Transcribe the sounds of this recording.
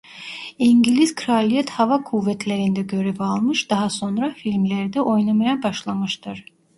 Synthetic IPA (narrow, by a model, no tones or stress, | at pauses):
iɲɟilʲiz̥kʰɾalʲijɛt̪havakʰuvːɛt̪ʰlʲeɾind̪ɛɟø̞ɾɛvalˠmɯʃd̪aɦaso̞nɾafilʲmlʲæɾd̪ɛʔo̞jnamajabaʃlˠamɯʃt̪ʰɯɾ̥